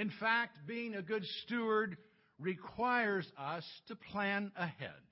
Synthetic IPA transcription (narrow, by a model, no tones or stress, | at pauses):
ɨ̃nfæk̚t̚b̥iɪ̃ŋɨɡʊdstʉə˞d̚ | ɹikʰw̥aɪə˞zʌstʰɨpʰl̥æ̃nəhɛ̰d̥